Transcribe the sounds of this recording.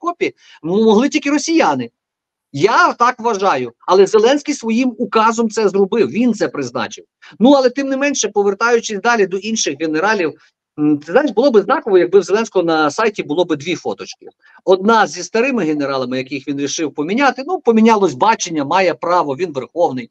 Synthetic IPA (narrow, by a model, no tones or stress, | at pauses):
kɔpʲi | mɔɦlˠɪtʲilʲkɪɾɔsʲijanɪ | jat̪ɑkʋɐʒɑjʊɐlˠɛzelˠɛnsʲkʲijsʋɔjimʊkɑzɔmt̪sɛzrɔbɪwʋʲint̪sɛpɾɪznɑ̰t͡ʃɪw | nuɐlˠɛt̪ɪmnɪmɛnʃɛpɔʋert̪ɑjʊt͡ʃɪsʲd̪ɑlʲid̪ɔʔinʃɪxɦeneɾɑlʲiw̪ | ɪznaʃbʊlˠɔbɪznɑkɔʋɔjɐɡ̚bɪwzelɛnsʲkɔɔnɐsɑjtʲibʊlˠɔbɪd̪ʲʋʲifɔ̰t̪ɔt͡ʃkɪ | ɔd̪̚nɑzʲist̪ɐɾɪmɪɦeneɾɑlˠɐmɪjɐkɪxʋʲinɾʲiʃɪwpɔmʲinʲat̪ɪnupɔmʲinʲɑlˠɔsʲbɑt͡ʃenʲːɐmɑjɛpɾɑʋɔʋʲinʋerxɔwnɪj